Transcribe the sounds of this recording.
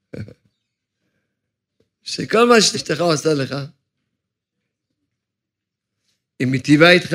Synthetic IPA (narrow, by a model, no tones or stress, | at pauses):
ʃekolmaʃet̪eʃt̪eχaosaleχa | imit̪ivait̪χ